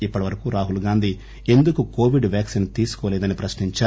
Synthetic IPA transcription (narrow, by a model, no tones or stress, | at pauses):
ipːɐʈiʋɐɾɐkuɾaːɦulɡaːnd̪ʱiː | e̞nd̪ukuko̞ːʋiɖʋjaːksint̪iːsu̥kɔːlɛːd̪ɐnipɾɐʃniɲt͡ʃaː